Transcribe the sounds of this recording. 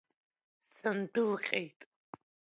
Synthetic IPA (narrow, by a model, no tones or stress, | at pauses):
sɐndɨlqʲʼejtʼ